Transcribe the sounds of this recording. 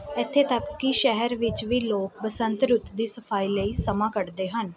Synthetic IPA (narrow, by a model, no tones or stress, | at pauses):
ɪt̪ʰːeːt̪əkːɪʃɛɦəɾʋɪt͡ʃʋiːloːk̚bəsənt̪ɾʊt̪d̪iːsəpʰaːiːləiːsəmãːkəʈd̪eːɦən